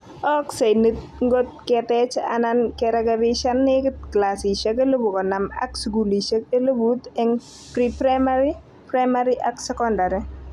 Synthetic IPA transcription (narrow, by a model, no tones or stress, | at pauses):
ɔksajnit̪̚ | ŋɡot̪̚kɛt̪ɛt͡ʃa̰nankɛɾakabiʃanːɪktklasiʃakelobukɔnama̰ksɡuliʃakelobut̪ɛŋ | pɾipɾamaɾi | pɾamaɾiʔaksɛkɔndaɾi